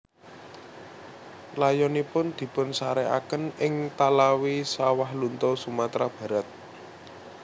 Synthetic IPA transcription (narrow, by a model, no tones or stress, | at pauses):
lajɔnipʊnd̪̥i̤pʊnsaɾɛa̰kənɪŋt̪alawisawahlunt̪ɔsumat̪ɾab̥ä̤ɾat̪̚